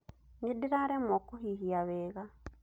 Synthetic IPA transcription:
ɲidiɾaɾemokuhihiaβeːɣa

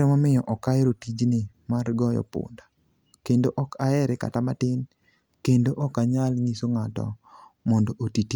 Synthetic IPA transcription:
ɾɛmɔmɪjɔʔɔkaeɾotid͡ʒnɪmarɡɔjɔ̰pʊ̰nda | kendoʔɔkʰaɛɾɛka̰tamatɪn | kendoʔɔkaɲalŋisoŋatɔ̰mɔndɔʔotit

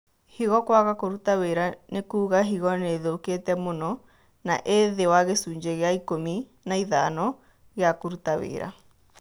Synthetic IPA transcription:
hiɣɔkwaɣakoɾutaweɾanekuːɣaɦiɣɔneːðoketɛmonɔ | na̰ʔeðewaɣesuːɲd͡ʑeɣeaikomi | naiðanɔ | ɣeakoɾutawḛːɾa̰

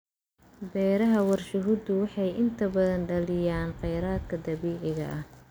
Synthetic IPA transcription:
bɛːɾɐɦɐwɐrʃʊɦʊd̪ʊwɑħɑjʔɪnt̪ʰɐbɐðɐnɖɐlɪjaːnqɛjɾaːd̪̚kʰɐd̪ɐβiːʕɪɣɐ̰ʔɐh

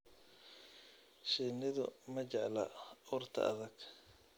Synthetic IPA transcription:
ʃɪːnɪðʊ̰mɐt͡ʃɛʕlɐʊːrt̪ʰɐ̰ʔɐ̰ðɐɡ

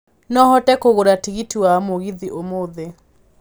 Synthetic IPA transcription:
nɔhɔtɛkoɣoɾatiɣitiwamoɣiðiʔomoðe

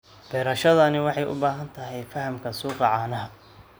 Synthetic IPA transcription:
b̥ɛːɾɐʃɐðɐnɪwɑħɑjʔʊ̰baːɦɐnt̪ʰɐɦɛjfɐhɐmkʰɐsuːqɑʕɑːnɐɦɐ

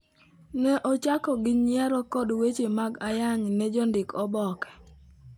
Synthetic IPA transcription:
nɛʔɔt͡ʃakɔɡɪɲjaɾɔkɔdwet͡ʃemaɡajaɲnɛd͡ʒɔndɪkɔbɔkɛ̥

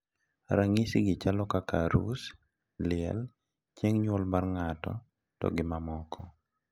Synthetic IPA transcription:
ɾaŋisiɡɪt͡ʃalɔkakaɾṵs | lɪɛ̰l | t͡ʃjeŋɲwɔlbarŋatɔ̰ | tɔ̰ɡɪmamɔkʰɔ

